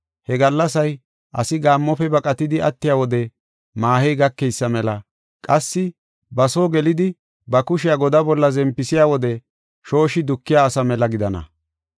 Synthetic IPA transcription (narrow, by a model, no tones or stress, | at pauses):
hɛɡɐlːɐsɐj | ʔɐ̰sɪɡaːmːɔpɛbɐkʼɐt̪ɪd̪ɪɐt̪ːɪjaːwɔd̪ɛ | maːhɛjɡɐkːɛjsːɐmɛlɐ | kʼɐsːɪ | bɐsoːɡɛlɪd̪ɪ | bɐkʊʃɪjaːɡɔd̪ɐbɔlːɐzɛmpːɪsɪjaːwɔd̪ɛ | ʃo̞ːʃɪd̪ʊkːɪjaːsɐmɛlɐɡɪd̪ɐnɐ̰